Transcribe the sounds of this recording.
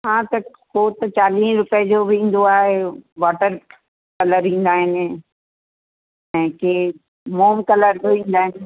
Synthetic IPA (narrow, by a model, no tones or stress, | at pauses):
ɦãːt̪ɐ | koːt̪ɐt͡ɕaːliːɾʊpəd͡ʑoːʋẽːn̆d̪oaːɦeʋaːʈəɾ | kɐləɾɦĩːn̆d̪aːɦɪnɪ̆ | ɛ̃ːke | moːmkɐləɾbʋĩːn̆d̪aːɦɪnɪ̆